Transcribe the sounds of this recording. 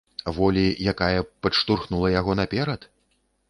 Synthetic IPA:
vɔlʲijakajɐpɐʂt̪urxnulˠɐjaɣɔnapʲɛɾɐt̪

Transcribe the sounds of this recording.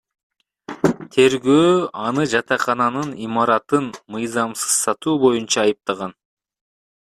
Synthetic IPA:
t̪ʰe̞ɾɡøːɑnɯd͡ʒɑt̪ɑqɑnɑnɯnimɑɾɑt̪ɯnmɯjzɑmsɯ̥z̥sɑt̪uːbo̞junt͡ʃɑːjɯp̚t̪ɑʁɑn

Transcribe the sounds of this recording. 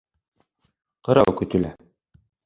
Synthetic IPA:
qɤ̆ɾɑ̰wkɵ̆t̪ɵ̆læ

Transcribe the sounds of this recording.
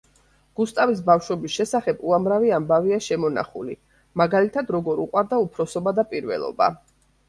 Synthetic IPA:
ɡ̥ust̪ʼavis̬bafʃwɔbisʃɛsaχɛbuamɾaviambaviaʃɛmɔna̰χṵlḭ | maɡalit̪ʰad̪ɾɔɡɔɾuqʼwaɾd̪aupʰɾɔsɔbad̪apʼiɾvɛ̰lˠɔ̰ba̰

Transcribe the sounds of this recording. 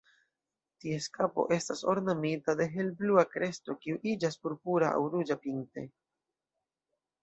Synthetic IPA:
tie̞skapo̞̰ʔe̞staso̞̰ɾnamitade̞ɦe̞lbluakɾʔe̞sto̞kiuʔid͡ʒaspuɾpuɾaa̰wɾud͡ʒapinte̞̰

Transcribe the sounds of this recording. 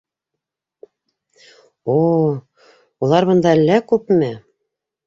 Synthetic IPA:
o | ulˠɑɾβɤ̆nd̪ɑælːækʉpmɘ

